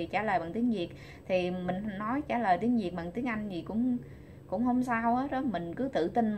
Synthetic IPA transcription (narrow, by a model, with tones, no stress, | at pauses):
i˨˩t͡ɕaː˧˩ləː˨˩jɓa̰ː˧˨ŋt̪i˨˦əŋzi˨˩ət̚ | t̪ʰi˨˩mï˨˩ŋ̟nɔ˨˦jt͡ɕaː˧˩ləː˨˩jt̪i˨˦əŋzi˨˩ət̚ɓa̰ː˧˨ŋt̪i˨˦əŋʔa˧jŋ̟zi˨˩kʊ̰˧˥ŋ͡m | kʊ̰˧˥ŋ͡mhə˧wŋ͡msaː˧wʔaː˨˦ɗɔ˨˦mï˨˩ŋ̟kɨ˨˦t̪ɨ̰˧˨t̪i˧n